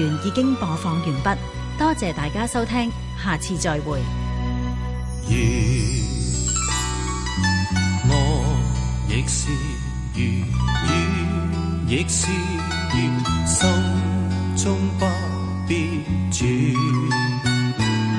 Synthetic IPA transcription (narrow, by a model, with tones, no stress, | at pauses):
yː˨˩njiː˨˧kɪ˥ŋpɔː˨˧fɔː˨˧ŋjyː˨˩npɐ˥t̚ | t̪ɔː˥t͡sɛː˨˧t̪aː˨jkaː˥sɐ˥wt̪ʰɛː˥ŋ | haː˨t͡sʰiː˧t͡sɔː˧jwuː˨˩j | jy˨˧ | ŋɔ˧ | jɪ˨˥k̚si˧ | jy˨˧ | jyː˨˧ | jɪ˨˥k̚si˧˥ | jy˨sɐ˥w | t͡sʊ˥ŋpɐ˥ | pi˦˥ | t͡ʃy˨